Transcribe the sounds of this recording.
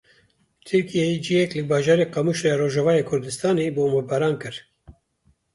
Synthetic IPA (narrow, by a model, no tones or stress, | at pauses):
t̪ʰɨɾkijɛjid͡ʒijɛklɨbɑːʒɑːɾeːqɑmuʃɾejɑɾoːʒavɑːjeːkʰʊɾd̪ɨst̪ɑːneːboːmabɛɾɑːnkɨɾ